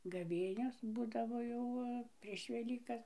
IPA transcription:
ɡɐˈʋʲeːnʲoːs ˈbuːdɐʋoː jɛʊ ˈʋɐ pʲrʲiɛʃ ʋʲɛˈlʲiːkɐs

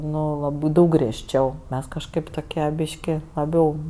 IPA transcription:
ˈnʊ lˠɐˈbɜ ˈdɐʊk ɡrʲiɛʃʲˈt͡ʃʲɛʊ ˈmʲɛs kɐʃˈkɐɪp toːˈkʲiɛ ˈbʲiːʃʲkʲɪ lˠɐˈbʲɛʊ

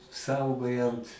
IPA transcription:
ˈsɐʊɡoːjɛnt

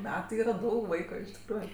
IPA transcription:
ˈmʲæːtɜ ˈiːrɐ ˈdɐʊk ˈʋɐɪkʊɪ ɪʃ tʲɪkˈruːjʊ

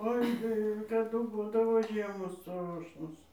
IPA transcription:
ˈoːɪ tɐɪ kɐˈdʊ ˈbuːdɐʋoː ˈʒʲiɛmoːs ˈstroːʃnoːs

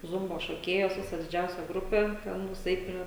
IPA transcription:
ˈzʊmboː ʃoːˈkʲeːjoːs ˈʋʲɪsɐ dʲɪˈd͡ʒʲɛʊsʲɛ ˈɡrʊpʲeː tʲɛˈnʊɪs ˈɛɪt ˈpʲrʲiɛ

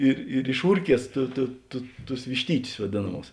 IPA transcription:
ɪr ɪr ɪʃˈuːrʲˌkʲiɛs tʊ tʊ tʊ tʊs ʋʲɪʃʲˈtʲiːtʲʊs ʋɐˈdʲeːnɐˌmuːs

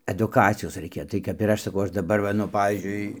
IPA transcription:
ɐdʊˈkɑːt͡sʲɪjoːs rɐɪˈkʲɛ tɐɪ kɐp ɪr ˈɐʃ sɐˈkɐʊ ˈɐʃ dɐˈbɐr ˈʋɐ nʊ ˈpɑːʋʲiːzʲd͡ʒʲʊɪ

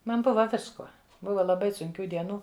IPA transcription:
ˈmɐn ˈbʊʋɐ ˈʋʲɪskuɔ ˈbʊʋɐ lˠɐˈbɐɪ sʊŋʲˈkʲuː dʲiɛˈnuː

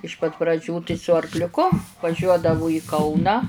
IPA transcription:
ɪʃ pɐt prɐˈd͡ʒʲuː tɐɪ sʊ ɐrklʲʊˈkʊ ʋɐˈʒʲuɔdɐʋʊ iː ˈkɐʊnɑː

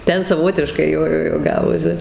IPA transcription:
ˈtʲɛn sɐˈʋoːtʲɪʃkɐɪ ˈjoː ˈjoː ˈjoː ˈɡɑːʋoːsʲɪ

